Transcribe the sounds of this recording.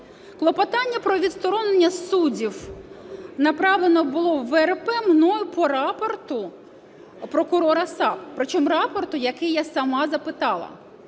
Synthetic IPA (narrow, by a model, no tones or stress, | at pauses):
klˠɔpɐt̪ɑnʲːɐpɾɔʋʲid̪t̪st̪ɔɾɔnenʲːɐsudʲiw | nɐpɾɑwlˠenɔbʊlˠɔwːɛrpɛmnɔjʊpɔɾɑpɔrt̪ʊ | pɾɔkʊɾɔɾɐsɑppːɾɔt͡ʃɔmrɑpɔrt̪ʊjɐkɪjasɐmɑzɐpɪt̪ɑlˠɐ̰